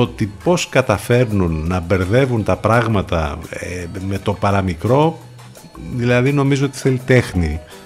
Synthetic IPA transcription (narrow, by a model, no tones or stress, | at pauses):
ot̪ipo̞skɐt̪ɐfe̞ɾnunːɐbe̞ɾðe̞vunt̪ɐpɾɐɣmɐt̪ɐ̰eme̞t̪o̞pɐɾɐmikɾo̞ | ðilɐðino̞mizoot̪i̥θelit̪e̞xni